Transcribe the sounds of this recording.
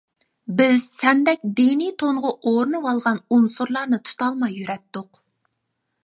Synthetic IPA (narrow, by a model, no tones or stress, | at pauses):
bɪzsɛnd̪ɛk̚ʲd̪init̪ʰoɴʁʊʔoɾɨnɨwɑlˠʁɑnunsuɾlˠɑɾnɨt̪ʰu̥t̪ʰɑlˠmɑjːyɾɛt̪ːʊq